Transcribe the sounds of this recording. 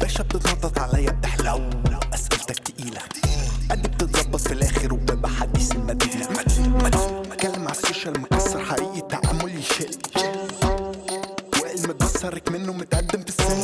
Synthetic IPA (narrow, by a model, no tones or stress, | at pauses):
b̥æːʃæb̚t̪et̪ɣɑt̪ˤːɑt̪ˤʕalæjːæb̚t̪aħlæwlæwʔæsʔælt̪æk̚t̪ʔiːlæ | ʔæd̪ib̚t̪et̪zˤɑbːɑt̪ˤfilʔæːxɪɾwebæbaħad̪ːisɪlmæd̪iːnæ | mt̪kælːɪmʕasoʃælmʊkɑsːɑɾˤħaɾʔiːʔit̪ːaʕa̰mːʊlʃel | wʕelmæb̚t̪ɪt̪sɑrˤːɑkmɪnːʊmɪt̪ʔad̪ːɪmfɪsːɑ